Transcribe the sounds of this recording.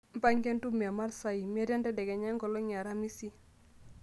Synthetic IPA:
m̩˦pa˦ɲkɛ˦ntu˦mi˨a˨ma˦ɾsa˦i˨mi˦a˦ɾa˦ndɛ˦dɛ˨ɡɛ˨ɲa˦ŋɡɔ˨lɔ˦ɲa˨ɾa˦mi˦si˦

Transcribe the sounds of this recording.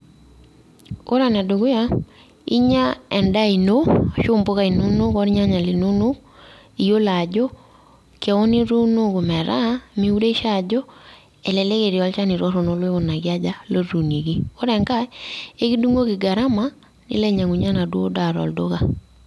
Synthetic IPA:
o˦ɾa˨na˨do˨ɡʊ˦ja˦ | ḭ˦ɲa˦ɛ˨nda˦i˨no˦˨ʃʊ˦mbo˦ka˦i˨no˦no˦kɔ˦ɾɲa˦ɲa˨li˨no˦no˦k | i˨jo˦la˨d͡ʒɔ˦ | kɛ˨wɔ˦ni˦ɾu˦no˦ko˨mɛ˨ɾa˦mi˨˦u˦ɾe˦ʃa˦˨d͡ʒɔ˦ | ɛ˨lɛ˨le˦ke˨ɾi˨ɔ˨˦lt͡ʃa˦ni˨ɾɔ˦ɾo˨no˦lwe˦o˨na˨kɪ˦a˦d͡ʒa˦lo˦ɾu˨ne˨ɡi˦o˦ɾɛ˨ŋka˦e˦ki˦du˦ŋo˦kɪ˨ɡa˨ɾa˦ma˦ | nɪ̰˦lɛ˦ɲa˨ŋu˨ɲa˦na˨dwo̰˦da˨ɾɔ̰˨ldo̰˦ka˨

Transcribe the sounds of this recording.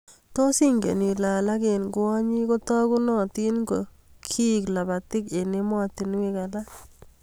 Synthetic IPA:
to˦si˦ŋɡḛ˨ni˨laː˨la˦ke˨nɡʊ˨˦ɔ˦ɲi˦ko˦tɔ˦ku˦nɔ˨ti˦nɡo˨ | kʰi˦˨kla˨ba˨tɪ˦ke˨ne˦mɔ˦tɪ˨nwi˦ka˨la˦

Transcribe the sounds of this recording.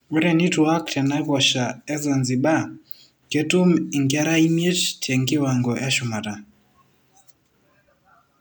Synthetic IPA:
wu˦ɾɛ˨ni˦tu˨a˦kta˨na˦βwa˨ʃa˨ɛ˦za˨nzi˨ba˦ | ke˦tu˦mi˨ŋɡɛ˦ɾa˦i˦mje˦t͡ʃtʰɛ˨ŋɡɪ˦wa˨ŋɡɔ˨ʔɛ˦ʃu˨ma˨ta˨

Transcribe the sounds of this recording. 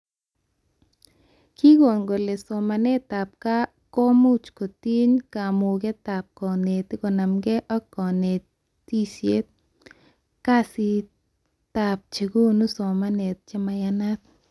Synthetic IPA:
ki˦ɡo˨nɡo˨le˨so˨ma˨ne˦t̪a˨p̚ka˦ | ko˦mu˦t͡ʃko˨t̪i˦ɲka˨mu˨ɡe˦t̪a˨p̚kɔ˨ne˨t̪i˦ko˨na˨mɡe˦ʔɔ˦kɔ˨ne˨ | t̪i˦sje˦t̪̚ | ka˦si˧ | t̪a˨p̚t͡ʃe˨ɡu˦nu˦so˨ma˦ne˨t̪̚t͡ʃe˦ma˧ja˦na˦t̪̚

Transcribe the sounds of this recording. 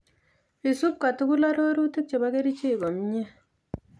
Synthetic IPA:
i˨su˦p̚ka˨tu˦ku˦la˦ɾo˦ɾu˦ti˦k̚t͡ʃe˨ba˦ke˦ɾi˦t͡ʃe˦i˨ɡɔ˨mi˦ɲe˦

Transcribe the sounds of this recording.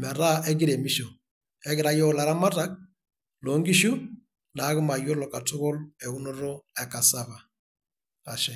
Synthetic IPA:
ma˨ɾa˦ʔɛ˦ɡɪ˦ɾe˨mi˦ʃo˨ | ɛ˦ɡɪ˨ɾa˦jɔ˦˨la˨ɾa˦ma˦ta˦k̚ | lo˨˦ŋɡi˦ʃu˦ | na˨˦ɣɪ˦ma˨jo˦lɔ˨ka˨tʊ˦ɣɔ˦lɛ˨u˦no˦ɾɔ˦ɛ˨ka˨sa˦βa˨ | a˨ʃɛ˨

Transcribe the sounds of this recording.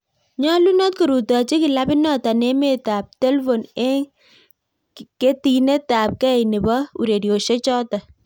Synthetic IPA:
ɲɔ˦lu˦nɔ˦t̚ku˨ɾu˨tɔ˨t͡ʃi˦kɪ˨la˦bɪ˦nɔ˦˨ta˨ne˦me˦˨ta˨p̚te˦lfo˨nɛ˦ | ke˦ti˨ne˦ta˨p̚kɛ˦jnɪ˨bɔ˦ṵ˨ɾe˨ɾjo˨ʃe˦t͡ʃɔ˦ta˨

